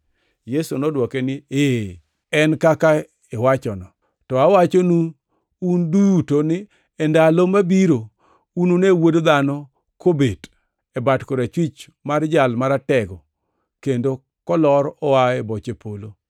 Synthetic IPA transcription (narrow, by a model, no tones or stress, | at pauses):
jesunɔdwɔkenɪe | ɛnkaka | ewat͡ʃɔnɔ | tɔawat͡ʃonu | undujutonɪ | ɛndalomabiɾo | unonewodd̪anɔ | kobed | ɛbatkoɾat͡ʃwit͡ʃ | mard͡ʒalmaɾatɛɡɔ | kendo | kɔlɔɾɔwaebɔt͡ʃepʰolo